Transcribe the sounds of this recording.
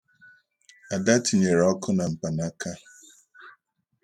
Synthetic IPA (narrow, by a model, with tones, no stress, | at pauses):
a˨da˦ti˨ɲe˨ɾɔ˦kʊ˦na˨m̩˨pa˨na˦kʰa˦